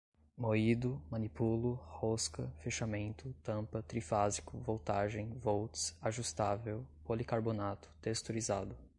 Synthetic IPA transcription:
moid̪ʊmɐ̃nipulʊhoskɐfeʃamẽnt̪ʊt̪ɐ̃pɐt̪ɾifazikʊvowt̪aʒẽj̃vowtsaʒust̪avewpolikaɾbonat̪ʊ̥t̪est̪oɾizad̪ʊ

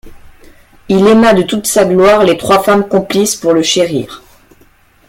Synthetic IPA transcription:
ilemad̪ət̪ut̪saɡlwaʁlet̪χwafamkɔ̃plispuʁləʃeʁḭːʁ

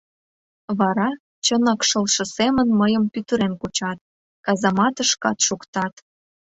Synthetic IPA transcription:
βɑɾɑ | t͡ɕənɑkʃəlʃɤ̆semənməjəmpyt̪əɾenkut͡ɕɑt̪̚ | kɑzɑmɑt̪əʃkɑt̪ʃukt̪ɑt̪

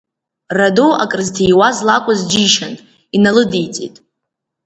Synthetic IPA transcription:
radoa̰kʼrɨztʰejwazlakʷʼazd͡ʒiʃantʼ | inalɨdejt͡sʼḭtʼ

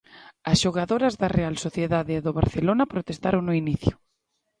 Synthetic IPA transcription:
ɐsʃoɣaðoɾɐzðarealsoθjeðaðeːðoβ̞aɾθelonɐpɾot̪est̪aɾoŋnoiniθjʊ

